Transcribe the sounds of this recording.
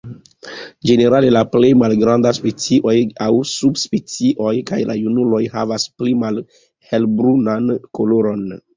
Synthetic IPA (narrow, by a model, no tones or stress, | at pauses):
d͡ʒe̞ne̞ɾale̞laple̞jmalɡɾandaspit͡siʔo̞jawsubspit͡siʔo̞jkajlʔa̰junulo̞jɦavasplimal | he̞lbɾunanko̞lo̞ɾo̞n